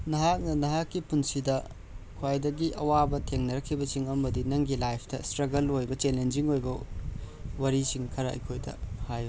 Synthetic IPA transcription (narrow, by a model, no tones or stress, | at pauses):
nɐɦak̚nɐnɐɦakːipunsidɐ | kʰwajdɐɡiʔɐwabɐtʰeŋnɐɾɐkʰːibɐsiŋɐmɐdinɐŋɡilajpʰtɐstɾɐɡɐlojbɐt͡ʃelend͡ʒiŋojbɐ | wɐɾisiŋkʰɐɾɐɐ̰jkʰojdɐ̰hajo